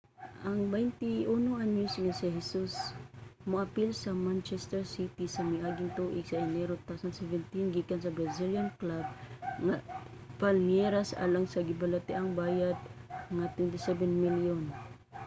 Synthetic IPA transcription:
ʔaŋbajnt̪iʔunoŋanusŋasɪɦɛsusmʊʔapilsɐmant͡ʃɛst̪ɛɹsit̪isɐmɪʔaːɡɪnt̪uʔɪɡsaʔɛnɛɾot̪awsand̪sɛvɛnt̪inɡikansɐbɾaziljanklab̚ŋa | palnjɛɾasʔa̰ːlaŋsɐɡɪbalat̪ɪʔaŋbaːjad̪̚ŋat̪wɛnt̪ɪsɛbɛnmiljon

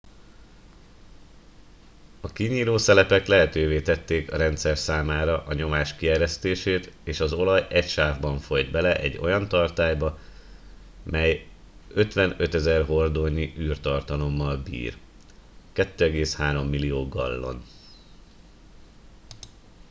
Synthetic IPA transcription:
ɒkiɲiːloːsɛlɛpɛklɛɦɛt̪øːveːt̪ɛt̪ːeːkɒɾɛnt̪sɛrsaːmaːɾɒʔɒɲo̞maːʃkiɛɾɛst̪eːʃeːt̪eːʃɒzo̞lɒjɛcʃaːvbɒɱfo̞jd̪bɛlɛʔɛ̰ɟːo̞̰jɒnt̪ɒrt̪aːjbɒ | mʔɛj | øt̪ʋɛnø̞t̪ɛzɛrɦo̞rd̪oɲiʔyːrt̪ɒrt̪ɒlo̞mːɒlbḭːr | kɛt̪ːøːɛɡeːshaːɾo̞mːilijoːɡɒ̰lːo̞̰n

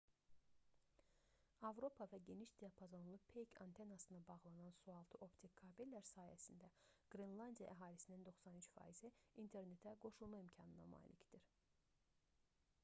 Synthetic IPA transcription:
ɑvɾo̞pʰɑvæɟe̞niʃd̪ijɑpʰazanlˠupʰejkʰɑ̰nt̪ʰe̞nɑsɯnɑbɑɣlˠɑnɑnsuɑlˠt̪ʰɯʔo̞pt̪ʰikkʰːɑbilːæɾsɑːjæ̰sind̪æɡ̥ɾinlˠɑnd̪ijɑ̰ʔæɦɑːlisinind̪o̞xsɑnyt͡ʃfɑ̰ːiziint̪ʰe̞ɾne̞t̪ʰæɡo̞ʃulˠmɑimcʰɑnɯnɑ̰mɑ̰ːlʔicʰd̪̥iɾ

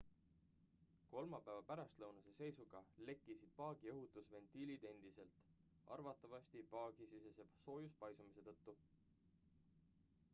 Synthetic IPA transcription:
ko̞lmɑpæevɑpæɾɑst̪lɤwnuse̞se̞jsuɡ̥ɑle̞kːˑisid̪̥̚pɑːɡ̥ioɦut̪ːˑusve̞nt̪ilid̪̥e̞nd̪̥ise̞lt̪ˑ | ɑ̰rvɑt̪ːˑɑvɑsʲt̪ipɑːɡ̥isisesebso̞ːjuspɑjsumise̞t̪ɤt̪ːu

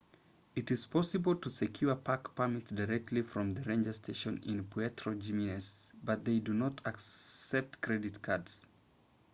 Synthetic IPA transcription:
ɨɾɪz̥pʰɔsɨbl̩ˠtʰəsɨkʰj̥uɹəpʰakpʰamɪtdaɹɛk̚tʰˡlifɹɔ̃mðɨɹẽɪ̃nd͡ʒəstʰeɪʃɨ̃nɪ̰̃npʰiɛtʰɹod͡ʒiminɛsbʌt̪̚ðeɪdunɔtʰaksɛp̚tkʰɹ̥ɛdɨtkʰadz̥

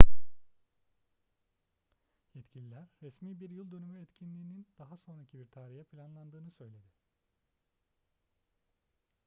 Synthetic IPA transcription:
jɛt̪cʰilʲilʲæɾːɛsmiːbiɾjɯlˠd̪ønymyɛt̪cʰinlʲiːnind̪̥aɦaso̞nɾacʰibiɾt̪ʰaːɾijɛpʰlʲanlˠand̪ɯːnɯsø̞jlʲe̞d̪ɪ

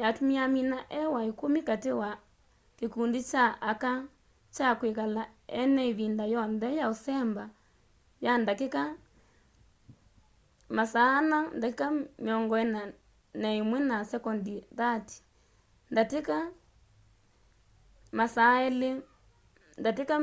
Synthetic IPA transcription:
jatumiaminaʔɛwaekomikatewa | kekundit͡ʃaːka | t͡ʃakwekalaɛnɛiðindajɔnðɛjaosɛmba | jandakeka | masaːnandakekamiɔŋɡɔɛna | nɛimwɛnasɛkɔndiðati̥ | ndateka | masaɛle | ndateka

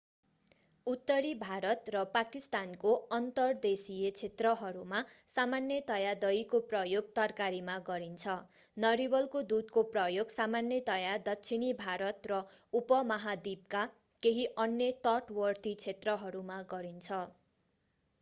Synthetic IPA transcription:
ut̪ːʌɾibʱaɾʌt̪rʌpakist̪ankoʌnt̪ʌrd̪esijet͡sʰet̪rʌɦʌɾumasamanːjʌt̪ʌjad̪ʌjkoprʌjoɡ̚t̪ʌrkaɾimaɡʌɾint͡sʰʌ | nʌɾibʌlkod̪ud̪̚koprʌjoɡsamanjʌt̪ʌjad̪ʌtːsʰinibʱaɾʌt̪rʌupʌmʌɦad̪ib̚ka | keɦiʔʌnjʌt̪ʌʈwʌrt̪it͡sʰet̪rʌɦʌɾumaɡʌɾint͡sʰʌ

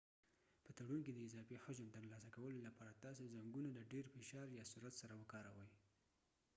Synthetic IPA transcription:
pət̪aɽunked̪əɪzɑfehʊʒant̪əɾlɑsakawəlolapɑɾat̪ɑsezaŋɡunalaɖeɾfɪʃɑɾjɑsuɾat̪saɾawəkɑɾa̰wəj

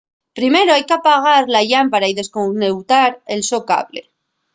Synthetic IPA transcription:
pɾime̞ɾoajkeapaɣ̞aɾlaʎampaɾaiðe̞skonewt̪aɾe̞lso̞ka̰βle̞̰

